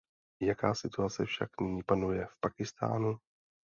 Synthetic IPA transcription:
jakaːsɪt̪uat͡sɛfʃaknɪɲiːpanujɛfpakɪst̪a̰ːnu

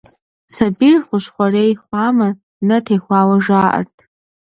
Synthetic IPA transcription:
sabirχʷʊʃʷχʷarejχʷama | nɨtʰejχʷawaʐaːʔa̰rtʰʼ

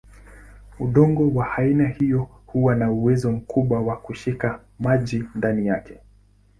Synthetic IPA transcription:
uɗɔŋɡɔwahainahijɔ | huwanauwɛzɔm̩kʰuɓwawakuʃika | maʄindanijakɛ̥

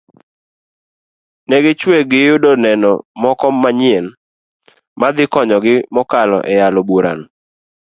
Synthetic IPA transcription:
nɛɡɪt͡ʃweɡɪjʊdonɛnɔmɔkɔmːaɲɪɛn | mad̪ɪkɔɲɔɡɪmɔkalɔ̰ʔɛjalɔboɾa̰n

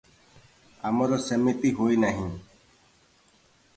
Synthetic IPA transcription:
amɔɾɔsəmit̪iɦoinaɦĩː

